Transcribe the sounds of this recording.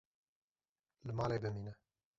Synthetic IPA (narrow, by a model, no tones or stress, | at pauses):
lɨmɑːlebɨmiːnɛ